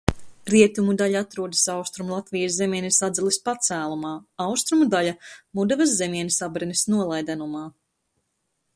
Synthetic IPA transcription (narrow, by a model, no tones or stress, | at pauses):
ɾiɛt̪umud̪aʎaat̪ɾuɔd̪i̥sawst̪ɾumulˠat̪vijas̬zemiɛnʲisad̪zɛlˠispat̪sæːlˠumɑːawst̪ɾumud̪aʎamud̪avɐsːemiɛnʲisabɾɛnisnuɔlˠajd̪anumaː